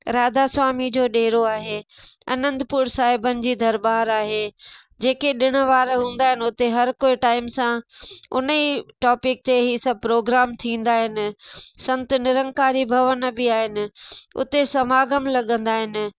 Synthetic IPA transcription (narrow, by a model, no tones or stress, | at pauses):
ɾaːd̪asʋaːmid͡ʑoːɗeːɾoaːɦe | ɐ̰nə̃nd̪pʊɾsaːɦɪbənɪ̆d͡ʑiːd̪ʱɐɾbaːɾaːɦeː | d͡ʑeːkeɗɪɽ̃ə̆ʋaːɾɦũːn̆d̪aːɦɪnɪ̆ʊt̪eɦɐɾkoːiʈaːɪmsãʊ̰nəiʈɔːpɪk̚t̪eɦiːsɐb̚ʱpɾoːɡɾaːmt̪ʰĩːn̆d̪aːɦɪnɪ̆sɐ̃nt̪nɪɾə̃ŋkaːɾibʱɐʋənə̆bɪaːɦɪnɪ̆ʊ̰t̪esɐmaːɡəmlɐɠə̃nd̪aːɦɪnɪ̆